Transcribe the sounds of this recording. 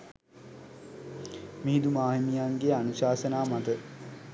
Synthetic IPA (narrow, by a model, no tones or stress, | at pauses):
miɦid̪umaːɦinijaŋɡeanuɕaːsənaːmat̪ə